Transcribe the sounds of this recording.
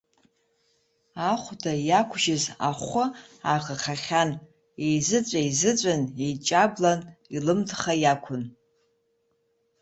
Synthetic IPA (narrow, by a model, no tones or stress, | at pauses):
aχʷdajakʷʰʒɪza̰χʷʊaʁaχaχʲan | ejzɨt͡sʷʼajzɨt͡sʷʼanejt͡ʃʼaɡlanilɨmtʰχajakʷʰʊn